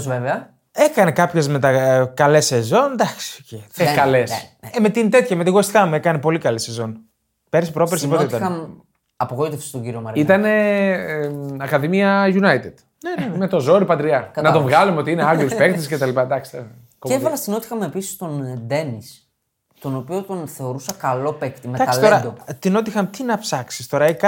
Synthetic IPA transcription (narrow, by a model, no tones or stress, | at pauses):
zveveɐ | e̞kɐne̞kɐpçe̞zme̞t̪ɐkɐlese̞zo̞nd̪ɐksi̥oceekɐle̞semet̪int̪e̞t̪çɐmet̪iɣoist̪kɐmuekɐnepo̞likɐlesːe̞zo̞n | pe̞ɾsi̥pɾo̞peɾsipoit̪t̪ɐɐm | ɐpoɣoit̪efse̥stoɟiɾiomɐɾit̪ɐne̞ | ɐkɐðimiɐʝunɐjt̪ed̪̥ | nemet̪o̞zo̞ɾipɐt̪ɾiɐnɐt̪ovɣɐlumeo̞t̪iineɐɡisspekt̪iscet̪ɐlipɐd̪ɐksi̥t̪o | koevɐvɐst̪ino̞t̪ixɐmepisi̥st̪o̞nd̪e̞nis | t̪o̞no̞pio̞t̪o̞nθe̞o̞ɾusɐkɐlo̞pekt̪imeɐk̪ɐsilt̪oɾɐot̪ino̞t̪ixɐmt̪inɐpsɐksi̥st̪o̞ɾɐikɐ